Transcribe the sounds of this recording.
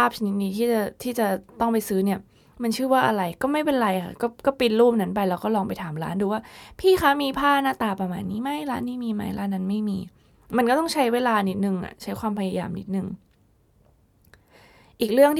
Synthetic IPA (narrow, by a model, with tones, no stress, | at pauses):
aː˥˩p̚t͡ɕʰa˧ni˦˥t̪̚niː˧t̪ʰiː˥˩t͡ɕa˨˩t̪ʰiː˥˩t͡ɕa˨˩t̪ɔ˥˩ŋp̬a˧jsɯː˦˥ni˥˩ɐ | ma˧nt͡ɕʰɯː˥˩waː˥˩ʔa˧ɾa˧jkɔː˥˩ma˥˩jpe˧nɾa˧jʔʰa̰˧˥˩kɔː˥˩kɔː˥˩pi˧nluː˥˩m̚na˦˥npa˧jlɛː˦˥wkɔː˥˩lɔː˧ŋpa˧jt̪ʰaː˩˦mɾa̰ː˦˥nduː˧waː˥˩pʰiː˥˩xa˦˥miː˧pʰaː˥˩naː˥˩t̪aː˨˩pɾa˧˩maː˨˩˦jniː˦˥ma˦˥jɾaː˦˥nːiː˦˥˩miː˧ma˦˥jlaː˦˥nːa˧˥nma˥˩jmiː˧ | ma˧nkɔ˥˩t̪ɔ˥˩ŋt͡ɕʰa˦˥jweː˧laː˧ni˦˥t̪̚nɯ˨˩ŋʔa̰˨˩t͡ɕʰa˦˥jkwaː˧mpʰa˧ja˧ja̰ː˧mni˦˥t̪̚nɯ˨˩ŋ | ʔiː˨˩k̚ɾɯ˥˩əŋt̪ʰ